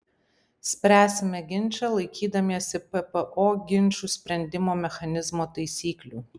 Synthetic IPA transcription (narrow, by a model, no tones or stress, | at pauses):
sʲpʲɾʲæːsʲɪmʲɛɡʲɪnʲˑt͡ʃʲɛlˠɐɪkʲʰiːd̪ɐmʲiɛsʲɪpɛpɛʔoːɡʲɪnʲˑt͡ʃʲusʲpʲɾʲɛnʲd̪ʲɪmoːmʲɛxɐnʲɪzmoːt̪ɐɪsʲiːklʲuː